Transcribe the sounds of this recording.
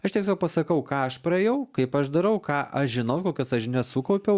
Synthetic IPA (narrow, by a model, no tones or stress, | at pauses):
ɐʃt̪ʲiɛksʲoːk̚pɐsɐkɐʊkɑːɐʃpɾɐɛːjɛʊkɐɪpɐʃd̪ɐɾɐʊkɑːʔɐʃʒʲɪnɐʊkoːkʲosɐʃnʲɛsuːkɐʊpʲɛʊ